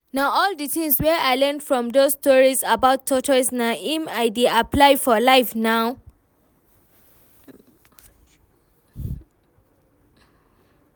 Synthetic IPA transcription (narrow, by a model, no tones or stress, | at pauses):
naʊɔldəθĩŋswɛaɪlɛnfɹɔ̃mdosstɔɹizabaʊtʰːɔtʰɔsnaʔĩmaɪdeaplaɪfɔlaɪfnaʊ